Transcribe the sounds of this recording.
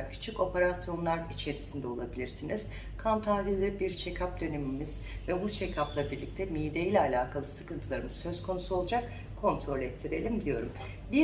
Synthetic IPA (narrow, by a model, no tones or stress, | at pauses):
cʰy̥t͡ʃʰyco̞pe̞ɾasjo̞nlˠaɾit͡ʃʰe̞ɾisind̪ɛo̞lˠabilʲiɾsiniz̥ | kʰant̪ʰalʲilʲibiɾt͡ʃʰecʰap̚d̪ø̞ne̞mimiz̥ | vɛbut͡ʃʰecʰaplˠabiɾlʲic̚t̪ʰɛmijd̪e̞jilʲɛalʲaːkʰalˠɯsɯkɯnt̪ʰɯlˠaɾɯmɯz̥sø̞zkʰo̞nusuolˠd͡ʒak | kʰo̞nt̪ʰɾo̞lʲɛt̪ʰːiɾe̞lʲimd̪ijo̞ɾum | bi